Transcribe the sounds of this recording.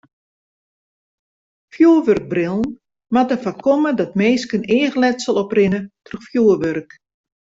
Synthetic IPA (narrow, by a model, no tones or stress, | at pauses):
fjuːəʋørɡ̚brɪlˠən̩ | matəfakʰɔmədɔtmeːskəneːəɣlɛtsəlˠɔprɪnətrəxfjuəʋørk